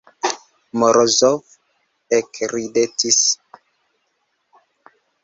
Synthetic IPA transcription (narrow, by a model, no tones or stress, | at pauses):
mɔɾɔzɔf | ɛkɾidetis